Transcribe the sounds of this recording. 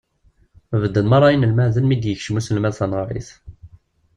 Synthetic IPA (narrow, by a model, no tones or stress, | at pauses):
vəd̪ːənmɑɾˤɑjənəlmæʕzælmid̪jəçʃmusəlmænθænʁɾˤḭθ